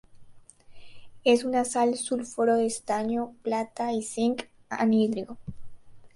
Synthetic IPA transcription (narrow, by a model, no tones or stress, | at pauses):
e̞sunasalsulfoɾoðest̪aɲoplat̪aisiŋk | a̰nid̪ɾiɣo